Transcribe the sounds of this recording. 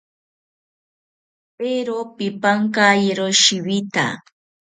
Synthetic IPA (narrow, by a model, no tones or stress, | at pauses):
peɾopipaŋkajeɾoʃiwit̪a̰